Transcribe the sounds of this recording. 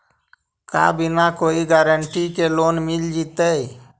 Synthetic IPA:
ka̰binakoːiɡaɾəɳʈikelonmild͡ʒit̪əj

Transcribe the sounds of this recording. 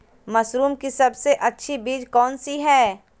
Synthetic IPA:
mɐsɾuːmkisɐbseʔɐtːʃʰibiːd͡ʒkɔːnsiɦɛː

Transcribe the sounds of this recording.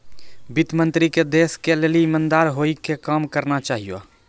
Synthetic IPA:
bɪt̪mə̃nt̪ɾiked̪eːskeleːliɪmənd̪aːɾɦoːikekaːmkəɾnat͡ʃaːɦio̰

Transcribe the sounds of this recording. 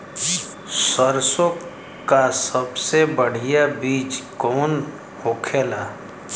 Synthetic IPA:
səɾso | kasəbsebəɽ̤ijabiːt͡ʃkɔːn | hokʰeːlaː

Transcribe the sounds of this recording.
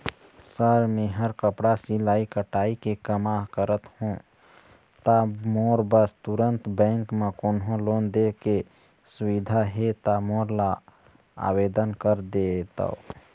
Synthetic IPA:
səɾmeɦəɾkəpɽasilaːikəʈaːikekəmaɦkəɾət̪hũ | t̪amoːɾbəst̪uɾənt̪bɛ̃ːŋkmẽkonɦõloːnd̪eke | sʊwid̪ʱaɦet̪amoːɾla | a̰bed̪ənkəɾd̪et̪a̰o

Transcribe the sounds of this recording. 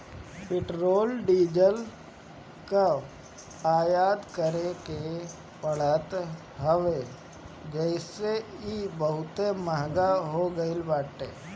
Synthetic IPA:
pɪʈɾoːlɖiːd͡ʒəl | ka | aːjaːd̪kəɾeke | pəɽ̤ət̪ | ɦəʋe | d͡ʒɛɪseibəɦʊt̪eməɦɡaɦoɡəɪlbaːʈḛː

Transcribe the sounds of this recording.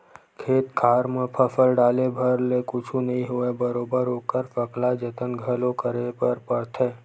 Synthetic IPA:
kʰeːt̪kʰaːɾmə̃pʰəfʰəlɖaːlebʱəɾlekʊt͡ʃʰũnɐɦĩɦʊebəɾoːbəɾokəɾpəklad͡ʒət̪ənɡʱəlõkəɾepəɾpəɾt̪ʰeː

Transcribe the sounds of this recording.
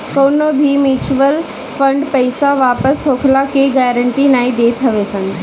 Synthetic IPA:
koːnobʱimjuːt͡ɕʋəl | fɐ̃ɳɖpɐɪsaʋaːpəsɦoːkʰlakeɡɛːɾə̃ɳʈinaːĩd̪eːt̪ʰɐʋesɐ̃n

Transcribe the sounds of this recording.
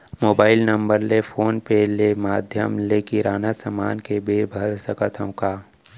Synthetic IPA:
moːbaːɪlnə̃mbəɾlefʰoːnpelemaːd̪ʱjə̰mlekiɾaːnasəmaːnkebeːbʱəlsəkət̪ʰõkaː

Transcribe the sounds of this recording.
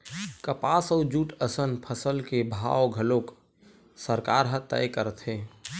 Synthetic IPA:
kəpasəʊd͡ʒuʈəsənpʰəsəlkebʱa̰oɡʱəlok | səɾkaɾɦə̃t̪ə̰jkəɾət̪ɦe

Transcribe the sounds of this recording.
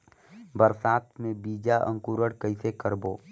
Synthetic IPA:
bəɾsaːt̪ʰmẽbiːd͡ʒaʔə̰̃ŋkuːɾəɽkəisekəɾboː

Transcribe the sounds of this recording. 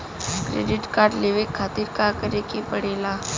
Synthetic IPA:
kɾḛːɖɪʈkaːɾɖleːʋekʰːaːt̪iɾkakəɾekepəɽeːlaː

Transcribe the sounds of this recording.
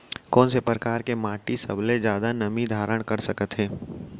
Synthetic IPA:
kɔːnsepɾəkaːɾkemaːʈisɐ̰bled͡ʒjaːd̪anɐmid̪ʱaːɾəɽ̃kɐɾsɐkət̪ɦẽː

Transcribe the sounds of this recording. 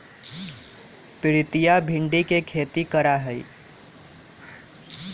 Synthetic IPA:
pɪɾit̪ijabʱiɳɖikekʰet̪ikəɾaɦəj

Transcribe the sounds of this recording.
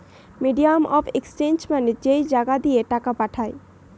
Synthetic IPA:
miɖijamɔbʰekst͡ɕend͡ʑmaned͡ʑejd͡ʑaɡad̪ieʈakapaʈʰae

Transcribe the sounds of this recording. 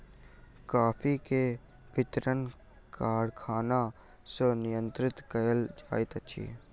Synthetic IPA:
kaːpʰike | ʋɪt̪ɾən | kaːɽkʰaːna | sonɪjə̃nt̪ɾɪt̪kəjəld͡ʒaːɪt̪ət͡ʃʰḭ

